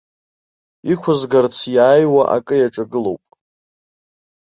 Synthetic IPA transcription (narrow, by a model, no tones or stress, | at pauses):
ikʷʰʊzɡart͡sʰjaːjwaʔa̰kʼɨjaʈ͡ʂʼaɡɨlo̞wpʼ